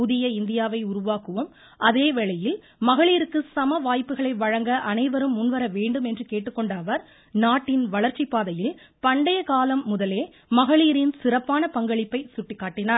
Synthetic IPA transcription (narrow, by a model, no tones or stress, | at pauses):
ʊðɪjɐɪnd̪ɪjaːʋɐɪʊɾʊʋaːkɯʋɯm | ʔɐðeːʋɛɭɐjɪl | mɐɣɐɭiːɾɯkːɯsɐmɐʋaːjpːɯɣɐɭɐɪʋɐɻɐŋɡɐʔɐnɐɪʋɐɾɯmːʊnʋɐɾɐʋeːɳɖɯmɛndrɯkeːʈːɯkːɔɳɖaːʋɐɾ | naːʈːɪnʋɐɭɐɾt͡ʃipːaːðɐjɪl | pɐɳɖɐjɐkaːlɐmːʊðɐleː | mɐɣɐɭiːɾɪnsɪɾɐpːaːnɐpɐŋɡɐɭɪpːɐɪsʊʈːɪkːaːʈːɪnaːɾ